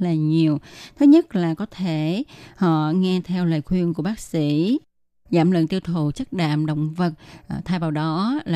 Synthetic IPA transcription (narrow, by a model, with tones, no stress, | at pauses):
laː˨˩ɲi˨˩əwt̪ʰə˨˦ɲə˦˥t̚laː˨˩kɔ˨˦t̪ʰe˧˩hɔ̰˧˨ŋɛ˧t̪ʰɛ˧wləː˨˩jxwi˧ənku˧˩əɓaː˦˥k̚sḭ˧˥ | zaː˧˩mlə̰˧˨ŋt̪i˧əwt̪ʰu˨˩t͡ɕə˦˥k̚ɗa̰ː˧˨mɗə̰˧˨wŋ͡mvə˨˩t̚t̪ʰaː˧jvaː˨˩wɗɔ˨˦lː